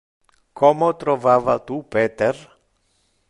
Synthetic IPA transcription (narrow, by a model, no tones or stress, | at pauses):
kʰɔːmot̪ɾovaːvat̪upeːt̪er